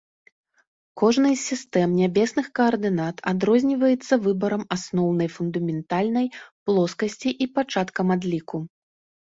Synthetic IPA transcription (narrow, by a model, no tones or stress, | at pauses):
kɔʐnɐjsʲist̪ɛmnʲabʲɛsnɨxkɐːrd̪ɨnat̪ad̪ɾɔzʲnʲivɐjɛt̪sːɐvɨbɐɾɐmasnɔwnɐjfund̪ɐmʲɛnt̪alʲnɐjplˠɔskɐsʲt͡sʲiʔipat͡ʂat̪kɐmad̪lʲiku